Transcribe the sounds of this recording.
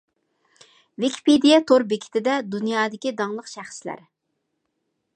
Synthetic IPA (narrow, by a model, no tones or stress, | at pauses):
vikʲʰi̥pʰed̪ijɛt̪ʰoɾbɪkʲʰi̥t̪ʰɪd̪ɛd̪unjɑːd̪ɪkʲid̪ɑŋlˠəqʃæχslæ̰ɾ